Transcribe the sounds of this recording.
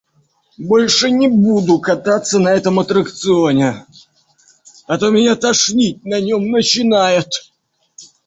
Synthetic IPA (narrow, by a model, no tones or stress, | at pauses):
bo̞lʲʂɨnʲɪbud̪ʊkɐt̪at̪sːənɐɛt̪əmɐt̪ɾəkt̪sɨo̞nʲɪ | ɐt̪omʲɪnʲat̪ɐʂnʲit̚ʲnɐnʲo̞mnət͡ɕɪnajɪt̪